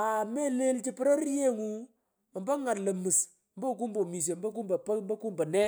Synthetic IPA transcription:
a˨me˦le˦lt͡ʃi˦pi˦ɾo˦i˦je˦ŋu˦˨ | mba˦ŋa˨ɾlə˨mi˨s | mbo˦˨ku˦mbo˨mi˨s̬e˨m˦bo˦ku˦mba˨pa˦m˦ba˦ku˦mba˨ne˦

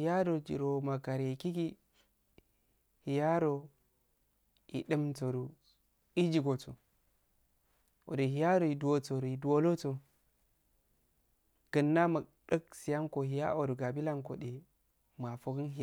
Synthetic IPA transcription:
hi˨ja˦ɾo˨d͡ʒḭ˨ɾo˨ma˨ka˨ɾji˨ki˦ɡi˦ | hi˨ja˦ɾo˨ | jḭ˨ɗɨ˦mto˨ɾu˨ | i˦d͡ʒi˨ɡo˨to̰˨ | o̰˨de˨ɦi˨ja˦ɾo˨i˨du˨o˨to˨ɾu˨i˨du˨o˦lo˦to˨ | ɡ̥ə˨nːa˦ma˨ɗə˦ksi˨ja˦ŋko˨ɦi˨ja̰˦ʔo˨ɾu˨ɡa˨bi˦la˦ŋko̰˨de˨ | ma˨fo˦ɡə˦nɦi˨

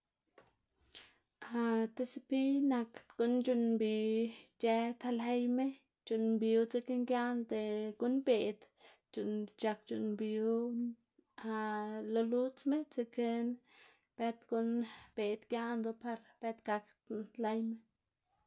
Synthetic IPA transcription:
a˧t̪e˧si˧pi˦na˧k̪ɡ̥u˦nd͡ʒu˧nbi˨d͡ʒe˧t̪ʰa˧le˦jme˦ | d͡ʒu˨nbi˨u˧t͡se˧ke˦ŋɡja˦nd̪e˨ɡu˧nbe˨d̪ | d͡ʒu˨nd͡ʒa˧k̚t͡ʃu˨nbu˦ | a˧lo˧lu˦t͡sme˦t͡se˧ke˧n | b̥e˦t̪ɡu˧nb̥e˨d̪ɡja˦nd̪o˧pa˧ɾb̥e˦t̪ɡa˧k | la˧jme˦

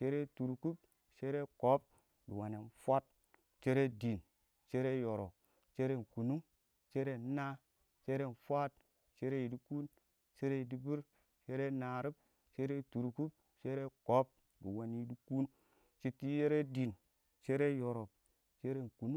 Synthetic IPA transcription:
t͡ʃe˦ɾe˦tu˨ɾku˦p | t͡ʃe˦ɾe˦ko˨˦p̚ | di˨wa˨ne˨nfʷa˦t̚ | t͡ʃe˦ɾe˦di˨n | t͡ʃe˦ɾe˦jo˨ɾo˨ | t͡ʃe˦ɾe˦˨n˨ku˨nu˦ŋ | t͡ʃe˦ɾe˦na˦ | t͡ʃe˦ɾe˦˨n˨fʷa˦t̚ | t͡ʃe˦ɾe˦ji˨di˦ku˦n | t͡ʃe˦ɾe˦i˨di˦bi˦ɾ | t͡ʃe˦ɾe˦na˨ɾi˦b̚ | t͡ʃe˦ɾe˦tu˨ɾku˦p̚ | t͡ʃe˦ɾe˦ko˨˦p̚ | di˨wa˨ni˨˦di˦ku˦n | t͡ʃi˦ti˦je˦ɾe˦di˨n | t͡ʃe˦ɾe˦jo˨ɾo˨b̚ | t͡ʃe˦ɾe˦˨ku˨nu˦

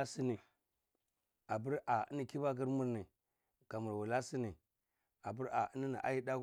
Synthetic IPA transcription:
a˦si˦ni˨ | a˨bi˦ɾa˨ḭ˦ni˨ki˦ba˦k̬i˦ɾmu˦ɾni˨ | ka˨mu˨ɾwu˨la˦si˦ni˨ | a˨bi˦ɾa˨i˦ni˦nḭ˨ʔa̰˦ji˦da˦k

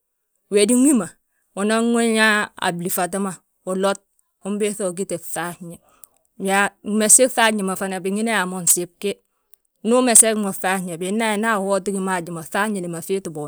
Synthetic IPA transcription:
we˨di˦ŋʷi˦ma˨ | wo˨na˦ŋo˦ɲa˦a̰˨bli˨fa˨t̬a˦ma˦ | wo˨lo˦t̚ | u˦m˦be˦θo˦˨ɡ̬i˦te˨fa˦ɲe˨ | ba˨me˨se˦kfa˦ɲi˨ma˨fa˨na˨bi˨ŋi˦ne˦a˨mo˨nsi˦b̚ke˦ | nu˦me˨se˦kmo˨fa˦ɲe˨bi˨˦na˦e˨na˦˨ho˦ti˦ɡi˦ma˦˨d͡ʒi˨ma˨fa˦ɲe˨li˨ma˨fi˦tu˨bo˨

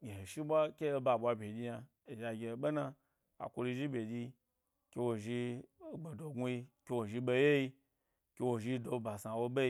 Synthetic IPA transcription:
ɡʲe˨he˨ʃi˦bʷa˦kʲe˦ba˧˨ɓʷa˧bʲe˨d͡ʒʲi˧ja˧ | e˨ja˧ɡʲe˧˨ɓe˦na˧ | a̰˨kʷo˧lu˧ʒi˦bʲe˨d͡ʒʲi˧ | kʲe˧wo˧ʒi˧˨ɡ͡be˨do˨ɡu˦ji˧kʲe˧wo˨ʒi˧ɓe˧je˦ji˧ | kʲe˧wo˨ʒi˧do˧ba˨sa˨wo˧ɓe˦i˧

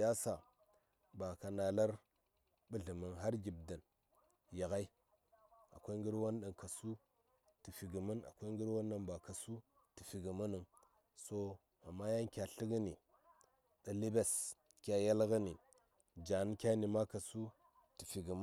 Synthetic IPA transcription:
ja˦sa˨ | ba˨ka˨na˨la˦ɾ | bu˦ɮi˨mə˨nɦa˦ɾɡʲi˨b̚da˨n | ja˨ɣa˦i˦ | a̰˨kʷa˦i˦ŋ˦ɡi˦ɾwa˦nɗa˨nka˨su˦ | ti˨fi˨ɡi˨mə˦na̰˨kʷa˦i˦ɡi˦ɾwa˦n˦ɗa˦nba˨ka˨su˦ | tə˨fi˨ɡə˨ma˦nə˨ŋ | so˦ | a˨mːa˦ja˦ŋkʲa˨ɬi˦ɡə˦ni˨ | ɗa˨li˦be˨s | kʲa˨ja˦lɣa˦ni˨ | d͡ʒa˨n˦kʲa˦ni˨ma˦ka˨su˦ | ti˨fi˨ɡi˨ma˦

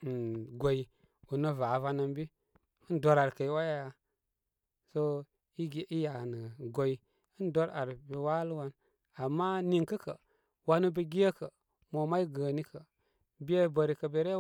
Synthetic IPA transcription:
ɡo˨i˨ | u˨nə˦va˨˦va˧˦na˦mbi˦ | ɨ˦ndo˨ɾa˨ɾkə˨i˨˦wa˦ja˦ja˨ | so˦ | i˦ɡi˦ja˨nə˨ɡo˨i˨ | ɨ˦ndo˦ɾa˨ɾbi˨wa˦lu˦wa˦n | a˨mːa˦ni˦ŋkə˦kə̰˨ | wa˦nu˦bi˨ɡi˦jə˦kə˨ | mo˨ma˦i˦ɡə˨ni˦kə˨ | bi˦e˦bə˨ɾi˨kə˨be˨ɾe˦

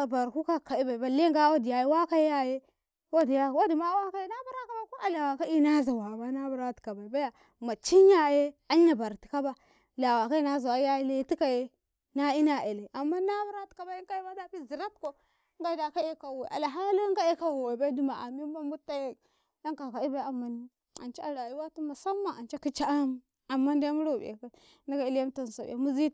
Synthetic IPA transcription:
a˨ba˨ɾku˦ka˦˨ka˨i˦ba˨i˨ba˨le˦ŋɡa˦wa˦di˨ja˨je˦wa˦ka˦jja˦je˦ | wa˦dja˦˨wo˦di˨ma˦wa˦ka˦je˦na˦bu˦ɾa˦ka˨ba˦ko˦a˨la˨wa˨ka˦i˦na˦za˨wa˨ba˦na˦bu˦ɾa˦ti̥˨ka˨ba˨i˨ba˦ja˨ | ma˨t͡ʃi˦ɲ˦a˦je˦a˦ɲa˨ba˨ɾti̥˨ka˦ba˦ | la˨wa˨ka˦i˦na˦za˨wa˦ja˦i˦le˦ti˦ka˨je˦ | na˦i˦na˨e˨le˨ʔa˨mːa˦na˦bu˦ɾa˦tka˨ba˦i˦ka˦i˦ma˦da˦pi˦zi˨ɾa˦t̚ko˨˦ | ŋ˦ɡa˦da˨ka˦e˦ka˨we˨ʔa̰˨la˨ɦa˦li˦ŋɡa˦e˦ka˦wo˨wa˨ba˦di˦ma˨a̰˨mi˦ba˦mbu˦tːa˦je˦ | a˦ŋka˨ka˨i˦ba˦a˨mːa˨ni˦ | a̰˨nt͡ʃi˦a˨ɾa˨ji˦wa˦tu˦ma˨sa˦mːa˨a˨nt͡ʃa˦ki˦t͡ʃa˦m˦ | a˨mːa˦nda˦mu˦ɾo˦˨b̰ḛ˨ka˦ | na˦ɡa˨i˦lja˦m˦ta˨n˨sa̰˨e˨mu˦zi˦

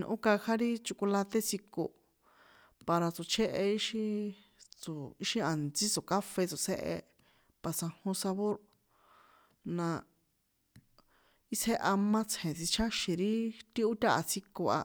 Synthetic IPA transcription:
n̰˧ʔõ̰˦ka˧ha˦ɾi˦t͡ʃu˧ku˧la˧t̪e˦t͡si˧ko̰˧ | pa˧ɾa˧t͡so˨t͡ʃʰe˦ʔe˧i˦ʃĩ˦ | t͡so˨i˦ʃi˧a˨nt͡si˦t͡so˨ka˦fe˧t͡so˨sḛ˦ʔḛ˧ | pa˧sã˧hõ˧sa˧βo˦ɾ | nã˧ | i˦se˦ʔa˧mã˦t͡sʰhẽ˨t͡si˧t͡ʃʰa˦ʃĩ˨ɾi˦t̪i˦u˦t̪ʲa˦ʔa˧t͡si˧ko˧a̰˧

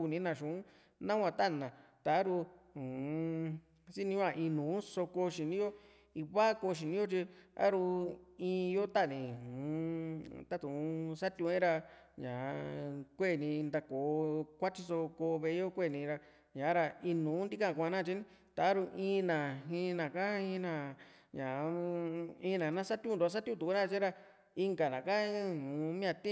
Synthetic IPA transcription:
u˧nĩ˧˦nã˧˨ʃũ˨ũ˦ | nã˦kʷã˧˨t̪a˦˨nã˨ | t̪a˨˦ɾu˧ũ˨˧ | si˦nĩ˧˦ã˦˧˨ʔĩ˧nũː˨˦so˧ko˧ʃi˨nĩ˦jo˦ | i˧βa˦ko˧ʃ̬i˨nĩ˦jo˦t͡ʃi˧a̰˦ɾu˧ĩː˧jo˦t̪a˦˨nĩ˨hũ˨˧t̪a˦t̪ũ˨˧sa˦t̪ʲũ˧ẽ˦ɾa˧ | ɲã˨˧kʷe˦˨nĩ˧nd̪a˧ko˨kʷa˦t͡ʃi˧so˧ko˧βe˧˦o˦kʷe˦˨nĩ˧ɾa˧ | ɲã˨˦ɾa˧i˧nũː˨˦nd̪i˦kã˧˨˧kʷã˧nã˦˧t͡ʃi˦nĩ˦ | t̪a˨a˦ɾu˧ʔĩ˧˦nã˨ɦĩ˧nã˨kã˦ĩ˧nã˧ | ɲã˨˧ | ĩ˧˦˧nã˨˧nã˦sa˦t̪jũ˧˦˧d̪u˧a˧s̬a˦t̪jũ˦˧˦t̪u˨u˦nã˦˧t͡ʃi˦ɾa˧ | i˧ŋɡa˨nã˨ka˦hũː˨˦mĩ˦ã˧t̪ĩ˦

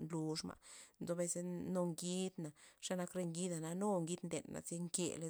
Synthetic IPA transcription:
nlu˧ʂma̰˨ʔnzo˧be˧se˧no˧ŋɡi˦d̪na˨ʂa˦na˧˦kɾe˧ŋɡi˦d̪a˨na˧no˦ŋɡi˦d̪nd̪e˨nːa̰˨zi˦ŋkḛ˨le˧

